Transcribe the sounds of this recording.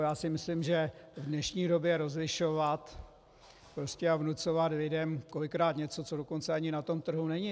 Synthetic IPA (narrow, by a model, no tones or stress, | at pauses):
jaːsɪmɪslɪmʒɛvdnɛʃɲiːdo̞bjɛɾo̞zlɪʃo̞vat̪ | pɾoscɛavnut͡so̞vat̪lɪdɛmko̞lɪkɾaːt̪ɲɛt͡so̞t͡so̞doko̞nt͡sɛaɲɪnat̪o̞mt̪r̩ɦunɛɲɪ